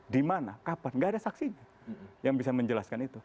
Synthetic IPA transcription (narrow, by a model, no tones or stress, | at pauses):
dimanakapanɡaːdasaksiɲa | jaŋbisaməɲd͡ʒəlaskanit̪u